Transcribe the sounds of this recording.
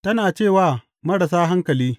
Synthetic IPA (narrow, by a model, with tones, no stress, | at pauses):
tɐ˦naː˨t͡ʃeː˦˨waː˦˨ | mɐ˦ɽɐ˨saː˦ɦa˦ŋkɐ˨liː˦